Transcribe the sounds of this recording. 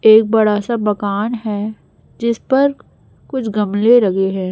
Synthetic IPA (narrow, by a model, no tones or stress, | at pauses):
eːk̚bɐɽasabɐkaːnɦɛː | d͡ʒɪspɐɾ | kʊt͡ʃʰɡɐmleɾɐɡeɦɛ̃ː